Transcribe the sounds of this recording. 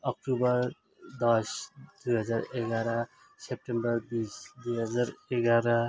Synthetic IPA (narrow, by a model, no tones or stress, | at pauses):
ɔk̚ʈubəɾ | d̪ɔʃd̪uɦʌzaɾeɡaɾa | sep̚ʈembəɾbisd̪ujɦʌzaɾeɡaɾa